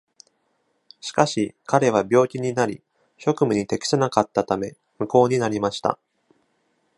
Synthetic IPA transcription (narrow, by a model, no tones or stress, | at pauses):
ɕi̥kaɕikaɾe̞β̞abʲo̞ːkʲiɲ̟inaɾʲi | ço̞kɯ̟mɯ̟ɲ̟it̪e̞kʲi̥senakat̪ːat̪ame̞̰ | mɯ̟ko̞ːɲ̟inaɾʲimaɕi̥t̪a̰